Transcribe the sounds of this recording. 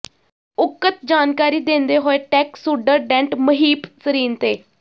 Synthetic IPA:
ʊkːət̪̚d͡ʒaːnkaːɾiːd̪ẽːnd̪eːɦoːeːʈɛːksuːɖəɾɖɛ̃ːɳʈməɦiːpsəɾiːnt̪eː

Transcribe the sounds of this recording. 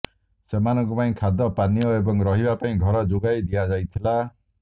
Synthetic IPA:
semanɔŋkupaĩkʰad̪ɔpanijɔebɔŋɾɔɦibapaĩɡʱɔɾɔd͡ʒuɡajd̪iad͡ʒajt̪ʰila

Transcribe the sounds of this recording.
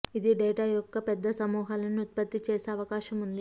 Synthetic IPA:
id̪iɖɛːʈaːjɔkːɐpɛd̪ːɐsɐmuːɦaːlɐniut̪̚pɐt̪ːit͡ʃeːseːɐʋɐkaːʃɐmund̪i

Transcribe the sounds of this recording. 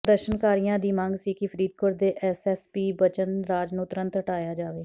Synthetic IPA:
d̪əʃənkaːɾijãːd̪iːmãːŋɡsiːkɪpʰəɾiːd̪̚kʰʊɾd̪eːʔɛːsɛːspiːbət͡ʃənɾaːd͡ʒnũːt̪əɾə̃nt̪ɦəʈaːjaːd͡ʒaːʋeː

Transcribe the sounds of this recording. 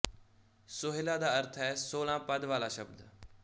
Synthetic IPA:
sʊɦɪlaːd̪aːəɾt̪ʰɛːsoːlãːpəd̪ʋaːlaːʃəbd̪

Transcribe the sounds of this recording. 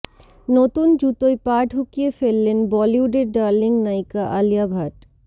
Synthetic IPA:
not̪und͡ʑut̪ojpaɖʱukijefelːenbɔliuɖeɾɖaɾliŋnajkaʔalijabʱaʈ

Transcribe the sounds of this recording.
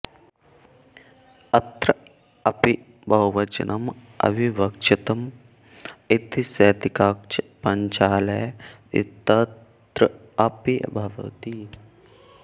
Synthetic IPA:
ɐt̪ɾɐ | ɐpi | bɐuʋɐt͡ʃɐ̰nʔɐm | ɐ̰ʋiʋɐk̚t͡ʃʰit̪ɐm | it̪isɐːt̪ikaːk̚t͡ʃɐpɐɲt͡ʃaːlɐj | ḭt̪ɐ | t̪ɾɐ | ɐpibʱɐʋɐ̰t̪i

